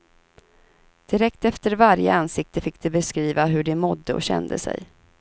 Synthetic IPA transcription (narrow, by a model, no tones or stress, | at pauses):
d̪̥ɪɾɛkt̪ɛft̪əɾvaɾjə̰ansɪk̚t̪əfɪkːd̪̥ɵbɛskɾiːvaɦɵɖɛmɔd̪ːəɔ̰ɕɛ̰nd̪ə̰sɛ̰j